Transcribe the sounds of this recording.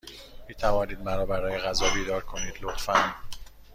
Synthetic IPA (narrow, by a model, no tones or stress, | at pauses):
miːt̪ʰævɒːniːd̪̚mæɾɒːbæɾɒːjeɣæzɒːbiːd̪ɒːɾkʰo̞niːd̪lot̪fæn